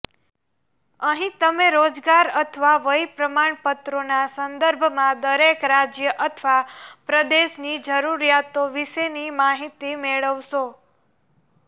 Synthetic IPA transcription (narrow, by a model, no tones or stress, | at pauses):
əɦĩt̪əmeɾod͡ʒɡaɾət̪ʰʋaʋəjpɾəmaɳpət̪ɾonasənd̪əɾbʱmãd̪əɾekɾad͡ʒjəʔət̪ʰʋapɾəd̪eʃnid͡ʒəɾuɾjat̪oʋiʃenimaɦit̪imeɭəʋʃo